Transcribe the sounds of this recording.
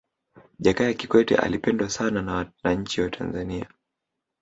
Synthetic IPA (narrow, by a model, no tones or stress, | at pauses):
ʄakajakikwɛtɛ̰ʔa̰lipɛndwasanananaɲ̩t͡ʃiwatʰa̰nzania